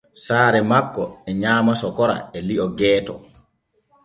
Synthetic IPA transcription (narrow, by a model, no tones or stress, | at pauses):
saːɾɛmakːɔɛɲaːmasɔkɔɾa̰ɛliʔɔɡɛːtɔ̰